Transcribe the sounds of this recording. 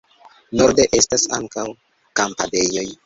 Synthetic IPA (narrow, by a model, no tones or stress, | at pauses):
no̞ɾde̞ʔe̞stasa̰ŋkaw | kampade̞jo̞j